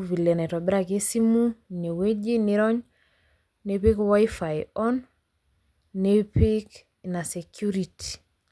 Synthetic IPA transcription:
vi˨lɛ˨nɛ˨tɔ˨bɛ˦ɾa˨ke˦si˦mu˦ne˨we˦d͡ʒi˦ni˦ɾɔ˦ɲ | ne˨pe˦kwa˦i˦fa˨jɔ˦n | ne˦pi˦k | na˨se˨kju˦ɾitʰi̥˨

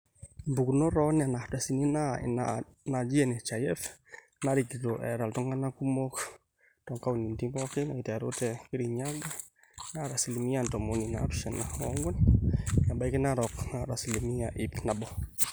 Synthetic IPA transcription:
mbu˨kuno˦ɾɔ˦na˨na˨htwa˨si˨ni˦na | na˨d͡ʒi˦ɛ˨ne˨t͡ʃa˨jɛ˦f | na˦ɾi˨kitoʔɛ̰˨ɾa˨ltɔ˦ŋa˦na˦ku˦mo˦k | tɔ˨ŋka˦wu˨ni˨nti˦bɔ˦kɪ˦na˨i˨tɛ˨ɾo̰˦tɛkɪ˦ɾɪɲa˦ɡa˦ | naɾa˨si˨li˨mi˦antɔ˨mo˨ni˨na̰tu̥sɛ˨naɔŋɡɔ˦nja˨mba˨jkɪ˦naɾɔ˨kna˨ɾa˨si˨li˨mi˦aʔɪ˨pna˨bɔ˨

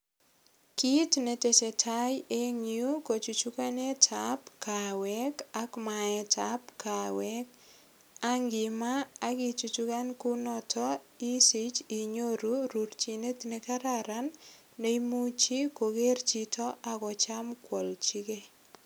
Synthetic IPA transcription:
ki˦tne˨te˨se˨tʰa˦je˦ŋiu˦ko˨t͡ʃu˨t͡ʃu˦ka˦ne˦tʰapkawɛka˦kmaɛ˨tʰap̚ka˨wɛk | a˦ŋɡɪ˨maː˦ki˨t͡ʃu˨t͡ʃu˦ka˦nku˦nɔ˦tʰɔ˦i˦si˦t͡ʃi˨ɲo˦ɾuɾurt͡ʃine˦tne˨kaɾaɾa˦n | de˦imu˦t͡ʃi˦koɡe˦rt͡ʃitʰɔ˦a˨kɔ˨t͡ʃa˦mkwɔ˨lt͡ʃi˦ke˦

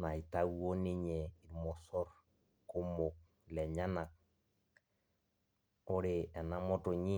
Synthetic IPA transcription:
na˨i˨ta˦wo˦ni˦ɲɛ˨i˨mɔ˨sɔ˦ɾ | ko˦mo˨k̚ | lɛ˨ɲa˦na˨k̚ | o˦ɾe˨ɛ˨na˦mɔ˦to˨ɲi˦

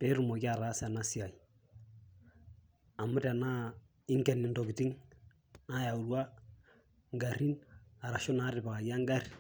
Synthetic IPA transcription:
tɛ˨˦ɾu˨mo˨ki˦a˨ɾa˦sɛ˨na˦si˦a˨i˨ | a˨mʊ˦tɛ˨na˦ | ɪ˦ŋkɛ˨nɪ˨ndɔ˨ki˨ti˦ŋ | a˦ja˨u˨ɾwa˦ | ŋɡa˨ɾi˦na˨ɾa˨ʃɔ˦na˦ɾɪ˨ba˨ja˦ŋɡa˦ri

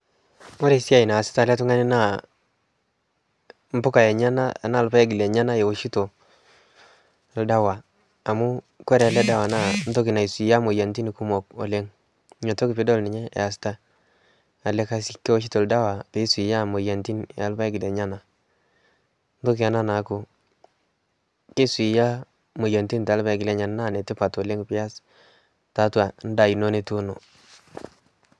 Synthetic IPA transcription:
mo˦ɾe˨si˦a˦˨i˨naː˨sɪ̥˦ta˨lɛ˦t̬u˦ŋa˦ni˦na˦ | m˦bʊ˦ka˨jɛ˨ɲa˦na˦a˨na˦˨lpa˦ɛ˦ɡɪ˨lɛ˨ɲa˦na˦jɛ˨wo˨ʃi˦to˨ | lda˦waː˨ | mu˦ | kɔ˦ɾɛ˨a˨lɛ˦da˦wa˨na˦˨n˦to˦ki˨na˨i˨si˨ja˦mo˨ja˨nti˦ni˨ku˦mɔ˨kɔ̰˨le˦ŋ˦ | ɲo˨to˦ki˨pe˦dɔ˦˨lnɪ˨ɲɛ˦ɛ̰˨a˨s̬ta˦ | a˨le˦ka˦si˨kːe˦o˦ʃ̬i˦to˨lda˦wa˨pe˨˦swi˨ja˦˨mo˨ja˨nti˦nɛ̰˨a˦lba˦i˦ɡɪ˨le˨ɲa˦na˨ | n˦to˦kɪ˨a˨na˦na˨˦kʊ˨ | ke˦swi˨ja˦ | mo˨ja˨nti˦n˨tːlba˦jɡɪ˨le˨˦ɲa˨nna˦˨nɛ˨tɪ˦pa˨tɔ˨le˦ŋpɪ˦a˦s | ta˦twa˨n˦da˨i˨no˦ne˦tu˦no˨

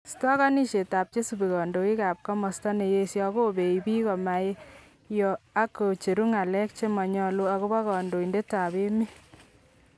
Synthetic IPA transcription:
stɔ˦ka˦ni˦ʃe˨ta˨p̚t͡ʃe˦su˨bi˨kɔ˨ndo˨ki˦ka˨p̚kɔ˦mɔ˨sta˦ne˨je˦sjɔ˦ko˦be˨i˨bi˦kɔ˨ma˨je˦ | jɔ˨a˦ko˨t͡ʃe˨ɾu˦ŋa˨lɛ˦k̚t͡ʃe˦mɔ˨ɲɔ˧lo˦a˨ko˦bɔ˦kɔ˨ndo˨i˨nde˦ta˨be˦mi˦

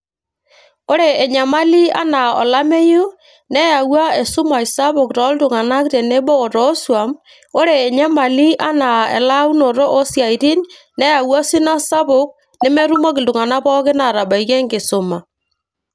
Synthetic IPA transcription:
o˦ɾeː˨ɲa˨ma˦li˦a˦na˨o̰˨la˦me˦ju˦ | nɛ˦ja˨ɣwa˦e˨su˦ma˨i˨sa˦βo˨kɾɔ˨˦ldu˨ŋa˨na˦kɾe˨ne˦boː˦˨ɾo˦swa˨m | o˦ɾeː˨ɲa˦ma˨li˦a˦na˨ɛ̰˨la˦u˦no˨ɾo˦ʔo˦sja˨i˨ɾi˦n | nɛ˦ja˨wa˦si˦na˦sa˦βo˦k̚ | ne˦mɛ˦ɾu˦mɔ˦ɣe˨ndu˨ŋa˨na˦βɔ˦ɣe˦na˨ɾa˨βa˨i˨ɣe˦ŋɡe˨so˨ma˨

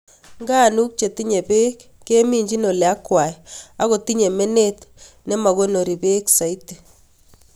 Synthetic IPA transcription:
ŋɡa˦nu˦k̚t͡ʃe˨ti˦ɲe˨be˦kːe˦mi˦ɲd͡ʒi˦no˨lja˦kwa˨ɛa˦ɣo˨ti˦ɲe˨me˦ne˦t | nɛ˦ma˨ɣo˦no˨ɾi˨be˦ksa˨i˦te˨

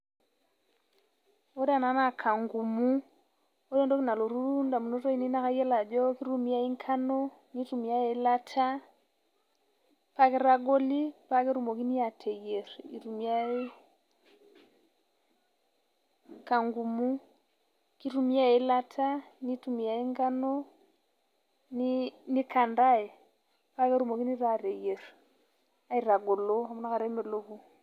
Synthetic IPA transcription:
o˦da˨na˨˦na˨kʰa˨ŋɡu˨mu˦ | o˦dɛ˦ndo˦ki˦na˨lo˨ɾu˦ɾu˦nda˨mu˨no˦tɔ˦i˦ni˦na˦ka˦jɛ˦la˨d͡ʒɔ˦ki˦ɾu˦mi˦ja˦i˦ŋkʰa˦nɔ˦ | ni˦tu˨mi˨a˦e˨la˦tʰa˦ | pa˦ke˦ɾa˦ɡo˦li˦pa˦ke˦ɾu˨mo˨ki˦ni˦a˨tʰɛ˨je˨ɾi˨ɾu˨mi˨˦a˦e˦ | ka˨ŋɡu˨mu˦ | ki˦tu˦mi˦a˦ɛ˨˦la˦tʰa˦ni˦tu˨mi˨ja˨i˦ŋɡa˦nɔ˦ | ni˦ni˦ka˨nda˦ɛ˨ | pa˦kɛ˦ɾu˦mɔ˨ki˦ni˦ɾa˨ɾɛ˨je˨ɾ | a˦i˦ɾa˨ɡɔ˨lɔ˦a˨mɔ˦na˦ka˨ɾɛ˦mɛ˨lo˦βu˦

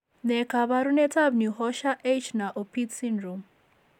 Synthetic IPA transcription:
nɛ˨kʰa˨βa˨ɾunɛ˦tʰa˦bni˨ɦɔʃa˦ʔe˦t͡ʃʰna˨ʔo˨pʰi˦sinɾu˨m

